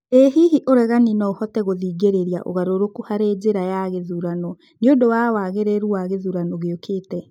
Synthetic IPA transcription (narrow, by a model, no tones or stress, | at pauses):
ehiɦiʔoɾɛɣaninɔohɔtɛɣoðiːɡeɾeɾja̰ʔo̰ɣaɾoɾokuhaɾeːd͡ʑeɾajaɣeðuɾanɔ | neodowawaɣeɾeɾuaɣeðuɾanɔɣeokʰeːtɛ